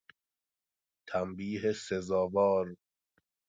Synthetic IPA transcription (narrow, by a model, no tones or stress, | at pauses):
t̪ʰæmbiːɦesezɒːvɒːɾ